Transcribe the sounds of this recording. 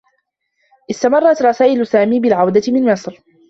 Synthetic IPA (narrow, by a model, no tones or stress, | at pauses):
ʔɪst̪amɑrˤːɑt̪ɾˤɑsaːʔɪlʊsaːmiːbɪlʕawd̪aɪmɪnmɪsˤɾ